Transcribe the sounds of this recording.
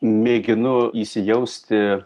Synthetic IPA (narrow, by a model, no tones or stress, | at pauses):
mʲeːɡʲɪnʊiːsʲɪjɛʊsʲt̪ʲɪ